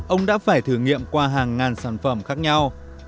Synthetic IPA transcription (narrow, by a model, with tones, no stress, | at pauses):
ʔə˧wŋ͡mɗa̰ː˧˥faː˧˩jt̪ʰɨ˧˩ŋḭ˧˨əmkwaː˧ɦaː˨˩ŋːaː˨˩nsaː˧˩nfə˧˩mxaː˦˥k̚ɲa˧w